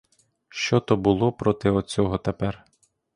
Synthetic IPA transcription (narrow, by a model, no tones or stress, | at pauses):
ʃt͡ʃɔt̪ɔbʊlˠɔpɾɔt̪ɪɔt͡sʲɔɦɔt̪epɛr